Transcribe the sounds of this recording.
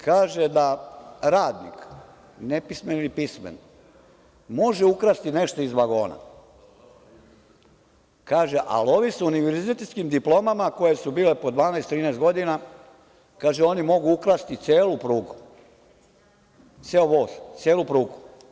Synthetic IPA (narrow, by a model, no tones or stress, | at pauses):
kʰaːʒed̪aɾaːd̪nḭk | nepismenilipismḛn | mo̞ʒeukɾast̪ine̞ʃt̪o̞izʋaɡo̞ːna̰ | kaːʒeʔa̰lo̞ʋisuniʋe̞ɾziet̪et̪skimd̪iplo̞mamako̞jesubiːle̞pod̪ʋaːnɛjst̪ɾiːnɛst̪ɡo̞d̪ina | kaːʒeo̞nimo̞ɡuukɾast̪it̪sʲjeːlupɾuːɡu | t̪sjeoʋoːst̪sjeːlˠupɾuːɡu